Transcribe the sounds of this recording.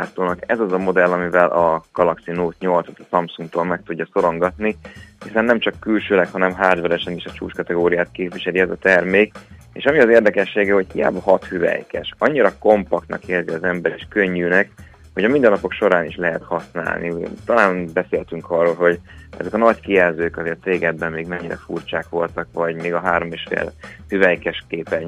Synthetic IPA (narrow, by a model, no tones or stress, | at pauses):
aːt̪oːnɒkɛzɒzɒmo̞d̪ɛlːɒmivɛlʔɒɡ̥ɒlɒksinoːt̪ɲo̞lt̪sɒ̥t̪ɒ̥sɒmpsuŋɡt̪oːlmɛk̚t̪uɟːɒso̞ɾo̞ŋɡɒt̪nihisɛnːɛmt͡ʃɒkːylʃøːlɛkhɒnɛmɦaːd̪vɛɾɛʃɛneːʃɒt͡ʃṵːʃkɒt̪ɛɡoːɾijaːt̪̚keːpvʋiʃɛliɛzɒt̪ɛrmeːk | ḛːʃɒmiɒzeːrd̪ɛkɛʃːeːɡɛho̞chija̰ːbɒhɒt̪hyvɛ̰jkɛ̰ʃɒɲːiɾɒko̞mpɒkt̪nɒ̰keːrziɒzɛmbɛɾiːʃkøɲːyːnɛk | ho̞ɟɒmind̪ɛnːɒpokʃo̞ɾaːniʃlɛɦɛt̪hɒsna̰ːlnʔḭt̪ɒlaːnbɛseːlt̪yŋkʰɒrːoːlɦo̞ɟɛ̰zɛkɒnɒckijɛlzøːkɒzeːrt̪reːɡɛbːɛmmeːɡmɛɲːiɾɛ̰fṵrt͡ʃaːkʋo̞lt̪ɒkʋɒɟmeːɡɒɦaːɾo̞meːʃfḛːlhyvɛjkɛʃkeːpɛ